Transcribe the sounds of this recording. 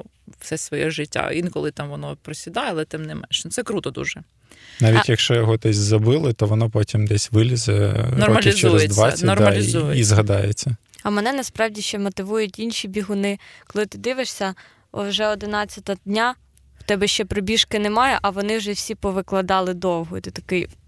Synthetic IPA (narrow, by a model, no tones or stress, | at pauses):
wsɛsʋɔjɛʒɪtʲːa̰inkɔlˠɪt̪ɑmʋɔnɔpɾɔsʲid̪ɑjɛɐlˠɛt̪ɛmnɪmɛ̰nʃnʊt̪sɛkɾut̪ɔd̪ṵʒɛ | nɑʋʲitʲjɐkʃt͡ʃɔjɔɦɔd̪ɛsʲzɐbɪlˠɪt̪ɔʋɔnɔpɔtʲimd̪ɛsʲʋɪlʲizɛ̰nɔrɔɐliɪzt͡ʃɛɾɛzd̪ʲʋɑsʲɐnɔrmɐlʲɪizɦɐd̪ɑjḛt͡sʲːɐ | ɐmɛnɛnɐspɾɑwdʲiʃt͡ʃɛmɔt̪ɪʋujʊtʲinʃʲibʲiɦʊnɪ | kɔlˠɪt̪ɪd̪ɪʋɪʂsʲɐ | ɔ̰wʒɛɔd̪ɪnɑt͡sʲːɐt̪ɐd̪ʲnʲa | wt̪ɛbɛʃt͡ʃɛpɾɔbʲiʃkɪnɛmɑjɛʔɐʋɔnɪwʒɛwsʲipɔʋɪklˠɐd̪ɑlˠɪd̪ɔwɦɔt̪ɛt̪ɐ̥kɪj